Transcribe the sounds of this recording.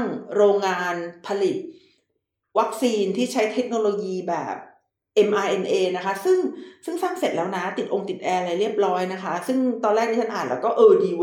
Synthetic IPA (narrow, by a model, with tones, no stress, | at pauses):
a˥˩ŋɾoː˧ŋːaː˧npʰa˧li˨˩t̪̚ | wa˦˥k̚siː˧nt̪ʰiː˥˩t͡ɕʰa˦˥jt̪ʰe˦˥k̚noː˧loː˧jiː˧bɛ̰ː˨˩p̚ | ʔe˧mʔaː˧ʔe˧nʔeː˧na˦˥kʰa˦˥sɯ˥˩ŋsɯ˥˩ŋsaː˥˩ŋse˨˩t̪̚lɛː˦˥wna˦˥t̪i˨˩ʔo˧ŋt̪i˨˩t̪̚ʔɛː˧ɾa˧jɾi˥˩əp̚ɾɔː˦˥jna˦˥kʰa˦˥sɯ˥˩ŋt̪ɔː˧nɾɛː˥˩t̪iː˥˩a˥nʔaː˨˩lɛː˦˥wkɔː˥˩ʔɤː˧diː˧˦˥